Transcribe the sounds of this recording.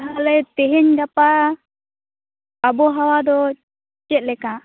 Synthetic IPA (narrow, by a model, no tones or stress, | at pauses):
ɦalɛt̪eɦɛɲɡapa | abɔɦawad̪ɔ | t͡ʃɛʔ̪̚lɛka